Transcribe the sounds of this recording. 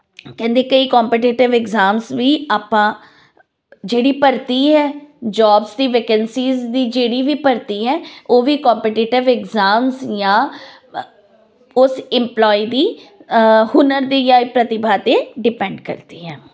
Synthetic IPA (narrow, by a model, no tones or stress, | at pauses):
kɛ̃ːnd̪eːkəiːkɔːmpɛʈɪʈɪʋɛɡzaːmsʋiːaːpãː | d͡ʒeːɽiːpəɾt̪iːɦɛːd͡ʒɔːbsd̪iːʋeːkənsiːzd̪iːd͡ʒeːɽiːʋiːpəɾt̪iːɦɛːoːʋiːkɔːmpɛːʈɪːʈɪʋɪɡzaːmzjãː | ʊsɪmplɔːiːd̪iː | hʊnəɾd̪iːjaːipɾət̪ɪbʱaːt̪eːɖɪpɛ̃ːɳɖkə̰ɾt̪iːɦɛː